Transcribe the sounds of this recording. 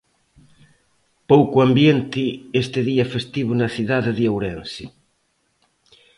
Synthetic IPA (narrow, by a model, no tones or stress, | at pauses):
powkuambjent̪ɪest̪eðiafest̪iβ̞unaθiðaðeðiawɾensi